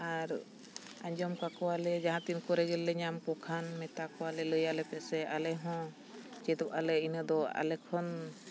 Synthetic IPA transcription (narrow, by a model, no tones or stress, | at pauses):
aɾ | aɲd͡ʒɔmkakɔalɛd͡ʒaɦãt̪inkɔɾɛɡɛlːɛɲamkɔkʰanmɛt̪akɔwalɛləjalɛpɛʔsɛalɛɦɔ̃ | d͡ʒɛt̪ɔp̚alɛinəd̪ɔa̰lɛkʰɔn